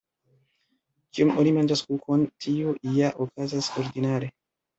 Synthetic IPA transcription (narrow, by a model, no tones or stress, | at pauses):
kiumonimand͡ʒaskukʰo̞ntʰioʔijaʔokazaso̞ɾdinaɾe̞